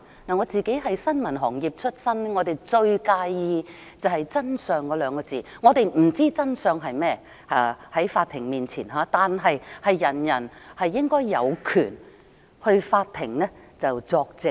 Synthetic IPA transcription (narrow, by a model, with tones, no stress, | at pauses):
naː˨˩ŋɔː˨˧t͡siː˨ke˨˥jɦɐ˨jsɐ˥nmɐ˨˩nɦɔː˨˩ŋjiː˨p̚t͡ʃʰɵ˥t̚sɐ˥n˥ŋɔː˨˧t̪e˨jt͡ʃɵ˧ɥkaː˧jjiː˧ | t͡sɐ˨whɐ˨jt͡sɐ˥nsœː˨ŋkɔː˧lœː˨˧ŋkɔː˧t͡siː˨˩ŋɔː˨˧t̪e˨jm̩˨˩t͡siː˥t͡sɐ˥nsœː˨˧ŋɦɐ˨jmɛː˥ | ha̰ː˨˧hɐ˨˥jfaː˧t̪̚ʰɪ˨˩ŋmiː˨nt͡sʰiː˨˩nɦaː˨˧t̪aː˨nɦɐ˨jhɐ˨jːɐ˨˩njɐ˨˩nhɐ˨jːɪ˥ŋkɔː˥jːɐ̰˨˧wkʰyː˨˩n | hɵ˧ɥfaː˧t̚t̪ʰɪ˨˩ŋnɛː˥ | t͡sɐ˨wt͡sɔː˧k̚t͡sɪ˨k̚